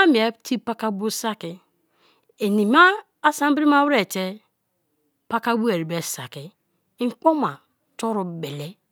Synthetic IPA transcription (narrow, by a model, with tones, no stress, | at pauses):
a˦mi˨e˦ti˦pa˦ka˦bo˦sa˦ki˨ | e˨ni˨maː˦ | sa˦m˦bɾi˦ma˦wɾe˦˨t͡ʃe˦ | pa˦ka˦bu˦e˨ɾi˨be˨sa̰˨ki˨˦ | ŋ̩˦k͡po˦ma˨ | to˦ɾu˨be˨le˦